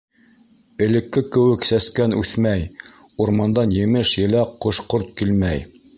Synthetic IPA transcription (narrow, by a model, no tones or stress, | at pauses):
ɘ̆lɘ̆kːɘkɘ̆wɘksæskænʉθmæj | uɾmɑnd̪ɑnjɘ̆mɘʃjɘ̆læqŏʃqoɾt̪̚kilmæj